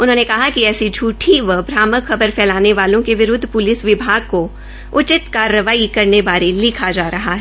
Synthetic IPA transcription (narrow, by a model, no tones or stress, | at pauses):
ʊnɦõːnekɐɦakiɛːsid͡ʒʱuːʈʰiʋəbʱɾaːməkxɐbəɾfɛːlaːneʋaːlõkeʋɪɾʊd̪ʱːpʊlɪsʋɪbʱaːɡ̚ko | ʊt͡ʃɪt̪kaːɾəʋaːikɐɾnebaːɾelɪkʰad͡ʒaːɾɐɦaɦɛː